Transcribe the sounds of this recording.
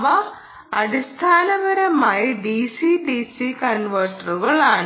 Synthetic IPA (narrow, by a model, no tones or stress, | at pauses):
ʋɐ | ɐɽist̪ʰaːnɐʋɐɾɐmaːjiɖiːsiɖiːsikɐnʋɐrʈːɐruɣɐɭaːɳ